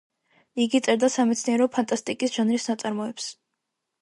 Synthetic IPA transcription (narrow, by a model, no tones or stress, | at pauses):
iɡit̪sʼɛɾd̪asamɛt̪sʰniɛɾɔpʰant̪ʼast̪ʼikʼisʒ̥anɾisnat̪sʼaɾmɔɛps